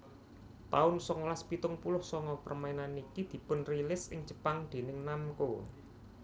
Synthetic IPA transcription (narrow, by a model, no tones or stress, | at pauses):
t̪aʊnsɔŋlaspit̪ʊŋpulʊhsɔŋɔpərmainanikid̪̥i̤pʊnrilɪsɪ̰ŋd͡ʒə̥paŋd̪̥e̤nɪŋnamko